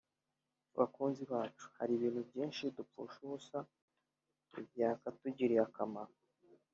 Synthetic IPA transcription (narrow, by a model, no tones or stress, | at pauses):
βa̰kuːnziβaːt͡ʃu̥ha̰ɾiβiːn̥hubjiːnʃidupṵʃuusa | ḭbjaːkatuɟiɾiakamaɾo